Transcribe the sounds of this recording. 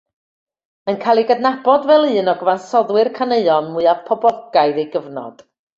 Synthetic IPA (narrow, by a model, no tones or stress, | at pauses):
ənkʰajlˠiɡədnabɔdvɛlˠɨːnɔɡəvansɔðwɨrkʰaneɨɔnmʊɨav̥pʰɔbɔɡ̥ajðejɡəvnɔ̰d̥